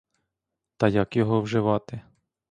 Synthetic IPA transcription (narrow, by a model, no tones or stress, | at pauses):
t̪ɐjakjɔɦɔwʒɪʋɑt̪ɪ